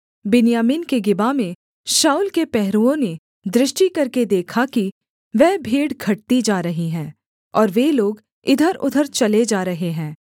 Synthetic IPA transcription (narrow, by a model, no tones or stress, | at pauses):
bɪnijaːmɪnkeɡɪbamẽ | ʃaːʊːlkepɛɦɾuõne | d̪ɾɪʃʈikɐɾked̪eːkʰaki | ʋɛɦbʱeːɽɡʱɐʈ̚t̪id͡ʒaːɾɐɦiɦɛ̃ː | ɔːɾʋeloːɡ | ɪd̪ʱəɾʊ̰d̪ʱəɾt͡ʃɐled͡ʒaːɾɐɦeɦɛ̃ː